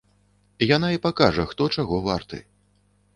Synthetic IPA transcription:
jan̪aipakaʐɐxt̪ɔt͡ʂaɣɔvart̪ɨ̰

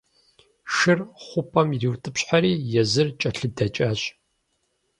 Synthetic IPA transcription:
ʃɨrχʷʊpʰʼɐmiriwtʰʼɨpɕħaɾiːjɛzɨrt͡ʃʼɐɬɨdɐt͡ʃʼaːɕʼ

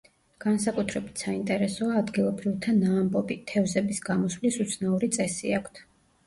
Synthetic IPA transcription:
ɡ̥ansakʼut̪ʰɾɛbit̪ʰsaint̪ʼɛɾɛsɔaːd̪ɡilˠɔbɾivt̪ʰanaːmbʼɔbit̪ʰɛvzɛbisɡamɔsvlisut̪sʰnauɾit̪sʼɛsḭakʷʰt̪ʰ

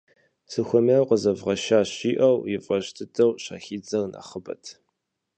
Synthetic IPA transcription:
sɨxʷɔmawqəzɐvʁɐʃaːɕiːʔɐwjɪfʼɐɕtʰɨtʰʼɐwɕa̰ːxiːd͡zɐwna̰χəbɐ̰tʰ

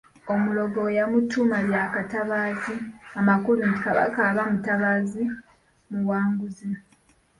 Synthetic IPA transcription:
omulo̞ɡo̞jamutʰːumaβjakataβaziamakulunti̥kaβa̰kaːβamutaβazi | muwaːŋɡuzi

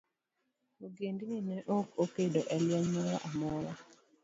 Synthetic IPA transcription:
oɡendininɛʔokokedoʔɛljɔɲmɔɾaʔamɔɾa

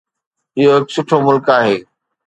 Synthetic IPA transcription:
ɪɦoɦɪksʊʈʰomʊlkaːɦeː

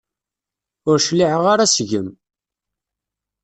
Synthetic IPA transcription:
ʊɾʃliʕəʁaɾasʝəm

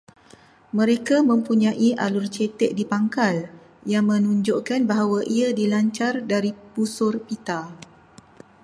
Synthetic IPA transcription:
mə̃ɾekamə̃mpuɲãʔiʔa̰lurt͡ʃet̪ɛʔ̚dipaŋkal | jaŋmə̃nũɲd͡ʒoʔkanbaɦawaʔiadilaɲt͡ʃardaɾipusʊrpit̪a

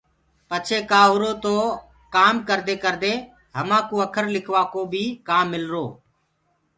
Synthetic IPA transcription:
pət͡ʃʰeːkaːɦʊɾoːt̪oː | kaːmkəɾd̪eːkəɾd̪eː | ɦəmãːkoːəkʰəɾlɪkʰʋaːkoːbʱiːkaːmːɪlɾoː

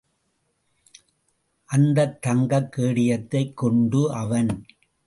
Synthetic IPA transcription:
ʔɐnd̪ɐt̪ːɐŋɡɐkːeːɽɪjɐt̪ːɐɪkːɔɳɖɯʔɐʋɐn

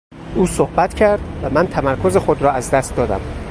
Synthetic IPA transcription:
ʔuːsohbæt̪cʰæɾd̪væmænt̪ʰæmæɾkʰoze̞xod̪ɾɒːæzd̪æst̪d̪ɒːd̪æ̰m

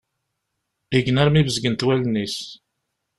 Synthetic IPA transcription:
iɡnaɾmivəzɡənt̪wælnːis

